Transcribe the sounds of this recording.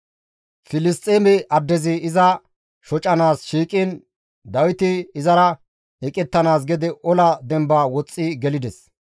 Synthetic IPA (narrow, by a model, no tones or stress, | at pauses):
fɪlɪst̪ʼeːmɛʔɐd̪ːɛzɪɪzɐ | ʃɔt͡ʃʼɐnaːsʃiːkʼɪn | d̪ɐwɪt̪ɪɪzɐɾɐ | ɛkʼɛt̪ːɐnaːsɡɛd̪ɪʔɔlɐd̪ɛmbaːwɔt͡sʼːɪɡɛlɪd̪ɛs